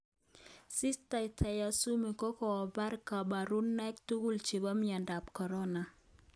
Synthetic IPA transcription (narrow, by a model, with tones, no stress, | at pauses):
sɪ˦sta˨i˨tʰɛ˨ja˨su˦mi˨kɔ˦kɔ˨ɔ˨ba˦ɾka˨ba˨ɾu˦nːɛ˦ktu˦ɡu˦lt͡ʃe˨ba˦mia˨nda˨p̚kɔ˨ɾɔ˦na˨